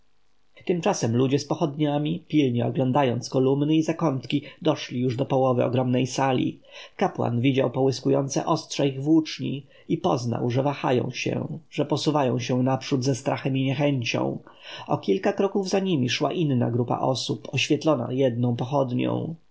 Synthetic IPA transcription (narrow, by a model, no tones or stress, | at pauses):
t̪ɘmt͡ʂasɛmlud͡ʑɛspɔxɔd̪ɲamʲipʲilɲɛɔɡlɔ̃nd̪ajɔnt̪skɔlumnɘizakɔnt̪kʲid̪ɔʂlʲijuʐd̪ɔpɔwɔvɘɔ̰ɡɾɔmnɛjsalʲḭkapwa̰nvʲid͡ʑawpɔwɘskujɔnt̪sɛ̰ʔɔstʂɛiɣvwut͡ʂɲḭ | ipɔzna̰wʐɛvaxajɔ̰̃w̃ɕɛ̰ʐ̥ɛpɔsuvajɔ̃w̃ɕɛnapʂud̪zɛst̪ɾʔaxɛmiɲɛxɛɲt͡ɕɔ̰̃w̃ | ɔkʲilkakɾɔkuvzaɲimʲiʂwa̰ʔinːa̰ɡɾupa̰ʔɔsupʰɔɕfʲjɛt̪lɔna̰jɛd̪̚nɔ̃w̃pɔxɔd̪ɲɔ̰̃w̃